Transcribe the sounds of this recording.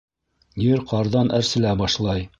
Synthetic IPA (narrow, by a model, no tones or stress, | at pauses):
jɘɾqɑɾðɑnʔæɾsɘ̆læbɑʃlˠɑj